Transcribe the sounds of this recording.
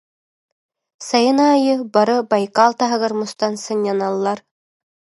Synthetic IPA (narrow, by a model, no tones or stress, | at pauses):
sɑjɤnaːjɯbɑɾɤbɑjkɑlˠt̪ɑɦɤ̆ɣɤ̆ɾmŭst̪ɑnsɤnjɑnɑlˠːɑɾ